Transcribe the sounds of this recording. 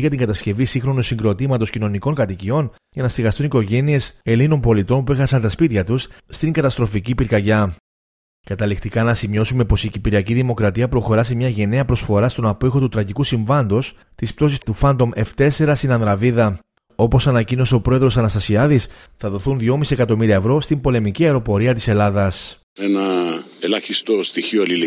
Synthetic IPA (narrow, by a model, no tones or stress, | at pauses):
ʝɐt̪iŋɡɐt̪ɐsce̞visiŋxɾo̞nusiŋɡɾo̞t̪imɐt̪o̞scino̞niko̞ŋkɐt̪icio̞n | ʝɐnɐst̪iɣɐst̪uniko̞ʝe̞nie̞se̞lino̞mpo̞lit̪o̞npuexɐsɐnt̪ɐspit̪çɐt̪usːt̪iŋɡɐt̪ɐst̪ɾo̞ficipiɾkɐʝɐ | kɐt̪ɐlikt̪ikɐnɐsimo̞sume̞po̞sicipiɾiɐciðimo̞kɾɐt̪iɐpɾo̞xo̞ɾɐs̬imɲɐʝe̞ne̞ɐpɾo̞sfo̞ɾɐst̪o̞nɐpixo̞t̪ut̪ɾɐʝikusiɱvɐnd̪o̞s | t̪isp̚t̪o̞sist̪ufɐnd̪o̞me̞ft̪e̞se̞ɾɐst̪inɐnðɾɐviðɐ | o̞po̞sɐnɐcino̞seo̞pɾo̞e̞ðɾosɐnɐst̪ɐsiɐðis | θɐðo̞θunðjo̞misiekɐt̪o̞miɾiɐevɾo̞st̪imbo̞le̞miciɐeɾo̞po̞ɾiɐt̪ise̞lɐðɐs | enɐelɐçist̪ost̪içiolil